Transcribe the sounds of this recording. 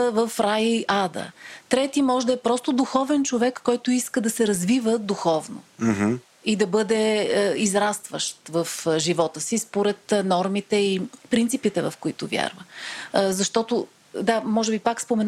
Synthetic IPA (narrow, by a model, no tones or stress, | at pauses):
vəfɾajəiʔad̪ə̰t̪ɾɛt̪imɔʒd̪ɐɛpɾɔst̪ʊd̪uxɔvɛnt͡ʃovɛkːɔjt̪ʊiskəd̪ɐsɛɾɐzvivəd̪uxɔvno̰ | id̪ɐbɤd̪ɛizɾast̪vəʃt̪vəfʒivɔt̪əsispoɾɛt̪nɔɾmit̪ɛipɾint̪sipit̪ɛvɐ̰fkʊit̪ʊvja̰ɾvə̰zɐʃt̪ɔt̪o | d̪amɔʒɛbipakspomɛn